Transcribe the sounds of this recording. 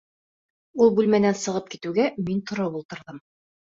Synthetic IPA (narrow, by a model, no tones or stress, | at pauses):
ulˠbʉlmænænsɤ̆ʁɤp̚kit̪ʉɡæmint̪ʰŏɾɤβulˠt̪ɤ̆ɾðɤm